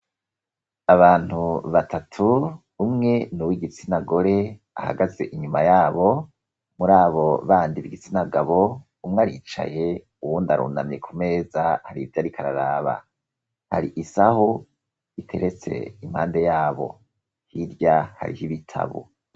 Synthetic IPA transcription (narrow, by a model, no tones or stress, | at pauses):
aβaːn̥huβatʰatʰuː | mŋe̞nuwiɡit͡sinaɡo̞ɾe | a̰ha̰ɡaze̞̰ʔiɲumajaːβo̞ | muɾaːβo̞βaːndiβiɡit͡sinaɡaβo̞ | umŋaɾit͡ʃa̰je | uwundaɾṵːnamje̞kʰume̞ːzahaɾivjaɾikʰaɾa̰ɾaːβa̰ | ha̰ɾiʔisaho | itʰe̞̰ɾet͡se̞̰imha̰ːnde̞jaːβo̞̰ | hiɾɟaha̰ɾihiβitʰa̰βo̰